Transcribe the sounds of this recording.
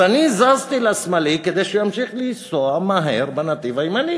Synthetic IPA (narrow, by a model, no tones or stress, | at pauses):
anizazt̪ilasmaliked̪ejʃujamʃiχlisoamaɦeʁbanat̪ivaimani